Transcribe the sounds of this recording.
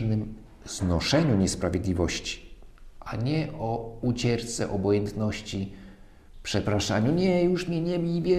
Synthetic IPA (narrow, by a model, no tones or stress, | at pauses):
nɘm | z̥nɔʂɛɲuɲɛspɾavʲjed̪lʲivɔɕt͡ɕi̥ʔaɲɛʔɔut͡ɕɛɾt̪sɛ̰ʔɔbɔjɛnt̪nɔɕt͡ɕi | pʂɛpɾaʂaɲuɲɛjuʂmʲɛɲɛbʲivʲjɛ